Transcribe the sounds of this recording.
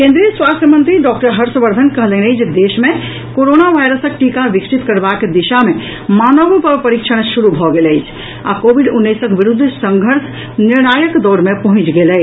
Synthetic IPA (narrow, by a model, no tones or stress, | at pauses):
kẽnd̪ɾiəswast̪ʰjəmənt̪ɾiɖɔk̚ʈəɾɦəɾsəbəɾd̪ʱənkəɦlenəd͡ʒed̪esme | koɾonaʋajɾəsək̚ʈikaʋiksit̪kəɾbakd̪iʃame | manəbpəpəɾikt͡ʃʰəɽ̃ʃuɾubʱɔɡeləɪt͡ʃʰ | a̰kobiɖunːisəkʋiɾud̪ʱːsəŋɡʱəɾs | niɾnajəkd̪ɔɾmepəɦũt͡ʃɡelə